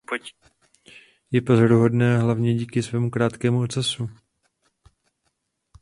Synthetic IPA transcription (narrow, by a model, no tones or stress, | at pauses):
p | jɛpo̞zaɾuɦo̞dnɛːɦlavɲɛɟiːkɪsvɛːmukɾaːt̪kɛːmuot̪t͡sasu